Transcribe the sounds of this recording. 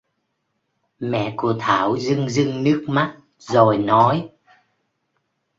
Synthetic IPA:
mɛ̰˧˨ku˧˩ət̪ʰaː˧˩wzɨ˧ŋzɨ˧ŋnɨ˦˥ək̚ma˦˥t̚ | zo˨˩jnɔ˨˦j

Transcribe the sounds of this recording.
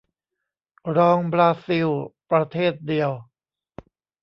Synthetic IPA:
ɾɔː˧ŋbɾaː˧si˧wpɾa˧t̪ʰeː˥˩t̪̚di˧əw

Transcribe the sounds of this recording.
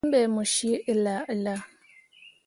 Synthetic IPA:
m˦bɛ˨mu˨ʃi˦ə˨la˨ə˨la˦

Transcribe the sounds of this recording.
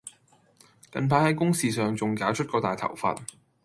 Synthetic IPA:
kɐ̰˧npʰaː˧t̚hɐ˨˥jkʊ˥ŋsiː˨sœː˨ŋt͡sʊ˨ŋkaː˨˥wt͡ʃʰɵ˥t̚kɔː˧aː˨jt̪ʰɐ̰˨˩wfa̰ː˧t̚

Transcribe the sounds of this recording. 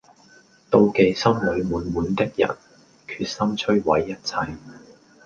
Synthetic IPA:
t̪o˧wke˨˧jsɐ˥mlɵ˨˧ɥmuː˨˥nmuː˨˧nt̪ɪ˥k̚jɐ̰˨˩n | kʰyː˧t̚sɐ˥mt͡ʃʰɵ˥ɥwɐ˨˥jːɐ˥t̚t͡sʰɐ˧j

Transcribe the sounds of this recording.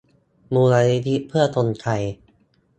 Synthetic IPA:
muː˧laː˧ni˦˥t̪ʰi˦˥ʔpʰɯ˥˩ɐt̪o˧nkʰa˧j

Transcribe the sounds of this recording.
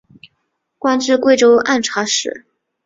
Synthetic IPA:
kwa˥nʈ͡ʂɻ̩˥˧kwe˥˩ɪʈ͡ʂo˥ʊʔa˥˩nʈ͡ʂʰa˧˥ʂɻ̩˨˩˦

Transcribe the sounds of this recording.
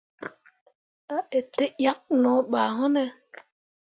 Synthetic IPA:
a˦e˨te˦ja˦k̚nɔ̃˨˦ɓaː˨ɦɔ˦nɛ˦

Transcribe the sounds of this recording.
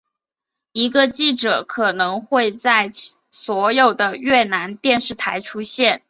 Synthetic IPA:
i˧˥ɡə˧t͡ɕi˥˩ʈ͡ʂɤ˨˩˦kʰɤ˨˩nɤ˧˥ŋxwe˥˧ɪt͡sa˥˩ɪ | swɔ˧˥jo˨˩ʊd̪ə˦ɥɛ˥˩na˧˥nt̪jɛ˥˧nʂɻ̩˥˩t̪ʰa˧˥ɪʈ͡ʂʰu˥ɕjɛ˥˩n

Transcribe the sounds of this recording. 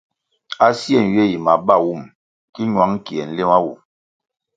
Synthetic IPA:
a˦si˦ɛ˦˨n˨ɥje˦˨ji˨ma˨ba˦˨wu˦˨m | ki˦ɲwa˨˦ŋ˦ki˨ɛ˨n̩˦le˦ma˦wu˨

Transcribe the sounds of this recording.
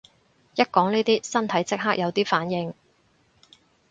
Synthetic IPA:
jɐ˥t̚kɔː˨˥ŋniː˥t̪iː˥sɐ˥nt̪ʰɐ˨˥jt͡sɪ˥k̚ɦaː˥k̚jɐ˨˧wt̪iː˥faː˨˥njɪ˨˧ŋ

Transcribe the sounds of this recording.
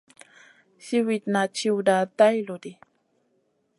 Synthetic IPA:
si˦wi˨t̪̚na˨t͡ʃi˧wda˨t̪a˦jlo˨di˨

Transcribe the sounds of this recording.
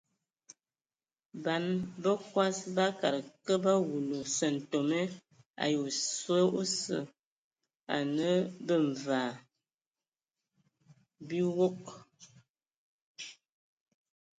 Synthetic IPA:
ba˨˦nbə˦kwa˦sba˦ka˨ɾə˨kə˦ba˦wu˨lo˨sə˨n̩˨to˨me˦ | a̰˨jo˨sə˦o˦sə̰˨ | a̰˨nə˦bə˦ɱ˨vaː˨ | bi˦wo˦k̚

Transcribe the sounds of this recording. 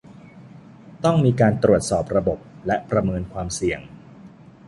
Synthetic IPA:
t̪ɔ˥˩ŋmiː˧kaː˧nt̪ɾu˨˩ət̪̚sɔː˨˩p̚ɾa˧bo˨˩p̚lɛ˦˥ʔpɾa˧mɤː˧nkʰwaː˧msi˨˩əŋ

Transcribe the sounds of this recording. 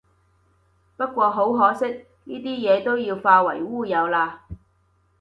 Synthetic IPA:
pɐ˥t̚kʷɔː˧ɦo˨˥wɦɔː˨˧˥sɪ˥k̚ | niː˥t̪iː˥jɛː˨˧t̪o˥wjiː˧wfaː˧wɐ̰˨˩jwuː˥˩jɐ˨˧wlaː˧

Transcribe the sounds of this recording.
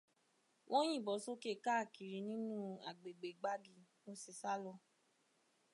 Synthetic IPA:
wʔɔ̃˦j̃ĩ˦˨bɔ˨˦so˦ke˦˨ka˦˨ki˨ɾi˨˦nĩ˦nũ˦a˨ɡ͡be˨ɡ͡be˨ɡ͡ba˦ɡi˦˧mo˦si˨sa˦lɔ˧

